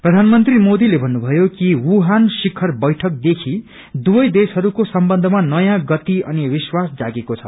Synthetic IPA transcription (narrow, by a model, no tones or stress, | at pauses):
prʌd̪ʱanmʌnt̪rimod̪ilebʱʌnːubʱʌjokiwuɦansikʰːʌrbʌjʈʰʌk̚d̪ekʰi | d̪ubʌjd̪esɦʌɾukosʌmbʌnd̪ʱʌmanʌjãɡʌt̪iʌniwiswasd͡zaɡekot͡sʰʌ̰